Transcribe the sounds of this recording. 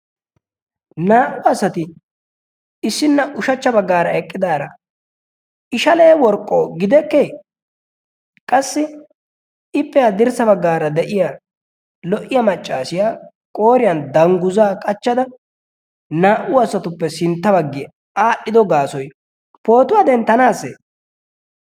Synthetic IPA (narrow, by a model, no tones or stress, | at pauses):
naːʔʊɐsɐt̪ɪ | ɪsːɪnːɐʔʊʃɐt͡ʃːɐbɐɡːaːɾɐɛkʼːɪd̪aːɾɐ | ɪʃɐleːwɔɾkʼːoːɡɪd̪ɛkːeː | kʼɐsːɪ | ɪpːɛjaːd̪ɪɾsɐbɐɡːaːɾɐd̪ɛʔɪja | lɔʔɪjɐmɐt͡ʃʼːaːsɪjaː | kʼoːɾɪjɐnd̪ɐŋɡʊzaːkʼɐt͡ʃːɐd̪ɐ | naːʔʊɐsːɐt̪ʊpːɛsɪnt̪ːɐbɐɡːɪj | aːɗːɪd̪ɔɡaːsɔj | po̞ːt̪ʊwaːd̪ɛnt̪ːɐnaːsːḛ